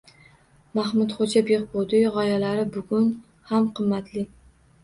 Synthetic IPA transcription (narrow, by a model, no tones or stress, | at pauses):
mahmʊt̪χod͡ʒabeqbod̪ɪʁɒjalaɾɪbʊɡʲʊn | hamqʰɨmːat̪ʰlɪ